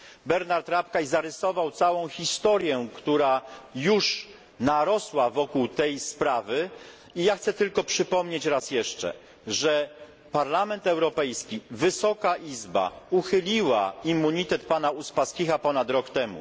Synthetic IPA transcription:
bɛɾnaɾt̪ɾapkajzaɾɛsɔvawt̪sawɔ̃w̃xʲist̪ɔɾjɛkt̪uɾajuʂ | naɾɔswavɔkuwt̪ɛjspɾavɘ | ijaxt̪sɛt̪ɘlkɔpʂɘpɔmɲet͡ɕɾasjɛʂt͡ʂɛ̰ | ʐɛ | paɾlamɛnt̪ɛwɾɔpɛjskʲivɘsɔkaʔizba̰uxɘlʲiwa̰imːuɲit̪ɛt̪panauspaskʲiɣapɔnat̪ɾɔkt̪ɛmṵ

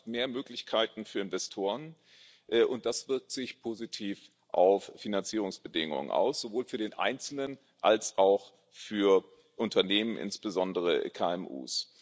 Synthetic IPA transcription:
meːɐmøːklɪçkʰaɪtn̩fyːɐɪnvɛstʰoːʁən | ʔɛːʔʊnt̚d̥asv̥ɪɐk̚tz̥ɪçpʰozitʰiːf | ʔaʊfːinant͡siːʁ̞ʊŋsb̥ədɪŋʊ̰ŋə̰nʔa̰ʊsz̥ovoːlfyːɐdeːnʔa̰ɪnt͡sl̩nən | ʔalsʔaʊx | fyːɐ | ʔʊntʰɐneːmənʔɪ̰nsb̥əzɔndəʁ̞əkʰaːɛmʔṵːs

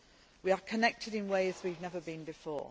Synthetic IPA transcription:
wiəkʰənɛk̚tʰɪdɪ̃nweɪzwivnɛvəbĩnbɪfɔ̰ː

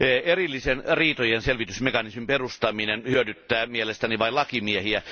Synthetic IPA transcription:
erilːisenriːt̪ojenselʋit̪ysmekɑnismimperust̪ɑminenhyødyt̪ːæːmielest̪æniʋɑilɑkimiehiæ

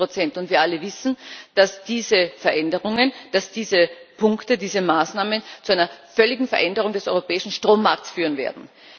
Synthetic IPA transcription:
ʁot͡sɛntʊntv̥iːɐʔaləvɪsn̩d̥asd̥iːzəfɛɐʔɛndəʁʊŋənd̥asd̥iːzəpʰʊŋktədiːzəmaːsnaːmənt͡suaɪnɐfœlɪɡŋ̩fɛɐʔɛndəʁʊŋdɛsʔɔʏʁopɛːɪʃn̩ʃtʁ̥oːmːaɐk̚tsfyːʁənvḛːɐdn̩

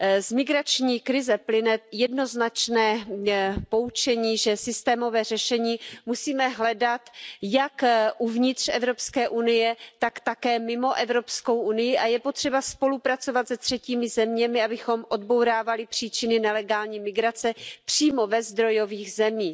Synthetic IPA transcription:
zmɪɡɾat͡ʃɲiːkɾɪzɛplɪnɛjɛdno̞znat͡ʃnɛː | po̞ut͡ʃɛɲiːʒɛsɪst̪ɛːmo̞vɛːr̝ɛʃɛɲiːmusiːmɛɦlɛdat̪jakʔuvɲɪt̪r̝̥ɛvɾo̞pskɛːʔunɪjɛt̪akt̪akɛːmɪmo̞ʔɛvɾo̞psko̞wʔunɪjɪʔajɛpot̪r̝̥ɛbaspo̞lupɾat͡so̞vat̪zɛt̪r̥ɛciːmɪzɛmɲɛmɪabɪxo̞mʔo̞d̪̚bo̞wɾaːvalɪpr̝̥iːt͡ʃɪnɪnɛlɛɡaːlɲiːmɪɡɾat͡sɛpr̝̥iːmo̞vɛzd̪ɾo̞jo̞viːxzɛmiː

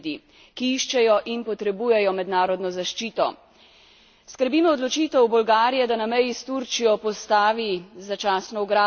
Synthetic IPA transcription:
d̪i | kiiʃt͡ʃɛjɔʔinpɔt̪ɾɛbuːjɛjɔmɛd̪naːɾɔd̪nɔzaʃt͡ʃiːt̪ɔ̰ | skəɾbiːmɔːd̪lɔt͡ʃiːt̪ɛwbɔlɡaːɾijɛd̪anamɛjist̪uɾt͡ʃijɔpɔst̪aːʋizat͡ʃaːsnɔuɡɾaː

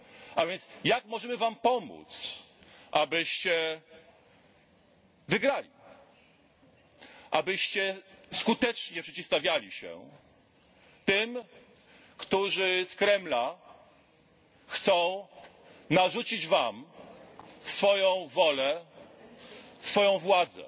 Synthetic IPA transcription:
ʔavʲjɛnt̪sjakmɔʐɛmɘvampɔmṵt̪sʔabɘɕt͡ɕɛ | vɘɡɾalʲḭ | ʔabɘɕt͡ɕɛskut̪ɛt͡ʂɲɛpʂɛt͡ɕifst̪avʲjalʲiɕɛ̰ | t̪ɘm | kt̪uʐɘskɾɛmla | xt̪sɔ̃w̃ | naʐut͡ɕid͡ʑvam | sfɔjɔ̃w̃vɔlɛ | sfɔjɔ̃w̃vwad̪zɛ̰

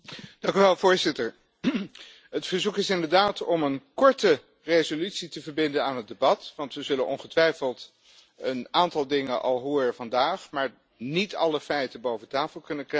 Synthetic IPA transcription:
d̥ɑŋkyʋɛlˠvʊːɹzɪtəɹ | ɦətfəɹzukɪsɪndəɹdaːtʰɔmənkɔɹtə | rejzolytsitəvəɹbɪndənaːnɦət̚debɑtʋɑntʋəzɵlənʔɔ̰nχətʋɛjfəlˠt | ənaːntɑlˠdɪŋənʔɑ̰lˠɦʊːɹəvɑndaːχmaːɹ | nitɑ̰ləfɛjtəbowvətaːfəlˠkɵnəkr

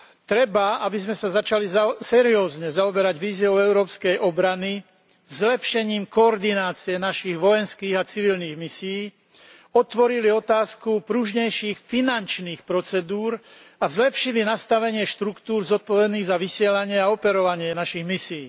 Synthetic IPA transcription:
t̪ɾɛbaabizmɛsazat͡ʃalizasɛɾiɔːzɲɛzaɔbɛɾaɟʋiːziɔʊɛʊɾɔːpskɛjʔɔbɾani | zlɛpʃɛɲiːmkɔːɾd̪inaːt͡siɛnaʃiɣʋɔjɛnskiːɣat͡siʋilniːɣmisijiː | ɔt̪ʋɔɾiliɔt̪aːskupɾuʒɲɛjʃiːxfinant͡ʃniːxpɾɔt͡sɛd̪uːɾazlɛpʃilinast̪aʋɛɲɪɛʃt̪ɾukt̪uːɾzɔt̪̚pɔʋɛd̪niːɣzaʋisɪɛlaɲɪɛaɔpɛɾɔʋaɲɪɛnaʃiɣmisijiː

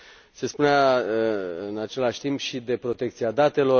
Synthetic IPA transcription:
se̞spunea | ɨnat͡ʃe̞laʃʲt̪impʃid̪e̞pɾo̞t̪e̞kt̪siad̪at̪e̞lo̞

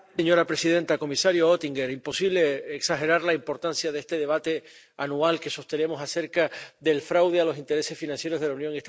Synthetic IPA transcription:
eɲo̞ɾapɾe̞siðe̞nt̪ako̞misaɾjoot̪iŋɡe̞ɾimpo̞siβle̞ːksaxe̞ɾaɾlaimpo̞ɾt̪ansjaðe̞st̪e̞ð̞e̞β̞at̪e̞ | anualke̞so̞st̪e̞ne̞mo̞sase̞ɾkaðe̞lfɾawðealo̞sint̪eɾe̞se̞sfinãnsje̞ɾo̞zðe̞launjoŋiet̪

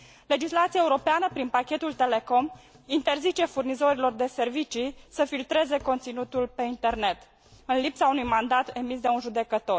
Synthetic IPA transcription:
le̞d͡ʒislat̪siaeuɾo̞peanəpɾinpakʲe̞t̪ult̪e̞le̞ko̞m | int̪e̞rzit͡ʃe̞furnizo̞ɾilo̞rd̪e̞se̞rvit͡ʃisəfilt̪ɾe̞ze̞ko̞nt̪sinut̪ulpe̞int̪e̞rne̞t̪ | ɨnlipsaunujmand̪at̪e̞mis̬d̪e̞unʒud̪e̞kət̪o̞r

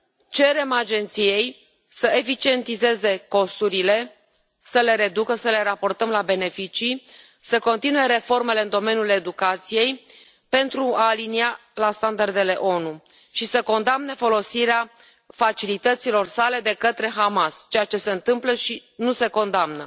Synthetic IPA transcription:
t͡ʃe̞ɾe̞mad͡ʒe̞nt̪sije̞j | səefit͡ʃie̞nt̪ize̞ze̞ko̞st̪uɾile̞ | səle̞ɾe̞d̪ukəsəle̞ɾapo̞rt̪əmlabe̞ne̞fit͡ʃi | səko̞nt̪inue̞ɾe̞fo̞rme̞le̞ɨnd̪o̞me̞nʲjule̞d̪ukat̪sije̞j | pe̞nt̪ɾuaːlinialast̪and̪ard̪e̞le̞ʔo̞nu | ʃisəko̞nd̪amnefo̞lo̞siɾea | fat͡ʃilit̪ət̪silo̞rsale̞d̪e̞kət̪ɾe̞ɦamast͡ʃe̞jat͡ʃe̞se̞ɨnt̪ɨmpləʃinuse̞ko̞nd̪amnə̰

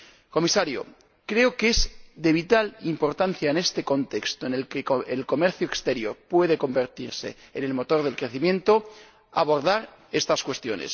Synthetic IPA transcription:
ko̞misaɾjo̰ | kɾe̞okezd̪e̞β̞it̪alimpo̞ɾt̪an̟θjaene̞st̪e̞ko̞nt̪e̞kst̪oene̞lkeoelko̞me̞ɾθjoekst̪e̞ɾjo̞ɾpwe̞ðe̞ko̞mbe̞ɾt̪iɾse̞̰ːne̞lmo̞t̪o̞ɾðe̞lkɾe̞θimje̞nt̪o̞ | a̰β̞o̞ɾðaɾ | e̞st̪askwe̞st̪jo̞̰ne̞̰s

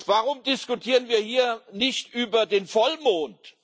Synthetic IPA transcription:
vaːʁʊmdɪskutʰiːʁənviːɐhiːɐnɪçtʔyːbɐdeːnfɔlmoːnt

